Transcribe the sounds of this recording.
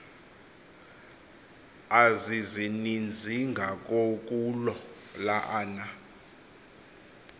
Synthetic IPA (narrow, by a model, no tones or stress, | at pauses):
azizinind͡zʱiŋɡʱak̬ʼok̬ʼulɔ | laʔaːna